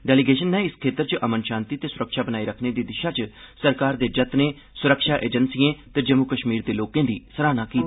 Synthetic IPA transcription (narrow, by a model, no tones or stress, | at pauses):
ɖɛːlɪɡeːʃənːɛ̃ːɪskʰeːt̪əɾt͡ʃəʔəmənʃãːnt̪iːt̪eːsʊɾəkʃaːbənaːiːɾəkʰneːd̪iːd̪ɪʃaːt͡ʃsəɾkaːɾd̪eːd͡ʒət̪nẽː | sʊɾəkʃaːʔḛːd͡ʒənsiẽːt̪əd͡ʒəmukəʃmiːɾd̪eːloːkẽːd̪ḭːsəɾaːnaːkiːt̪ː